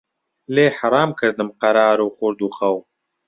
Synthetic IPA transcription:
leːħaɾˤɑːmkʰɨɾd̪ɨmqɐɾɑːɾuːχʊɾd̪uːxɐw

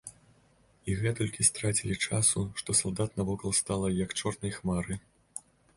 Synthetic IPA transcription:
iɣɛt̪ɔlʲkʲist̪ɾat͡sʲilʲit͡ʂasuʂt̪ɔsɐlˠd̪at̪nɐvɔkɐlˠst̪alˠɐjɐkt͡ʂɔrnɐjxmaɾɨ

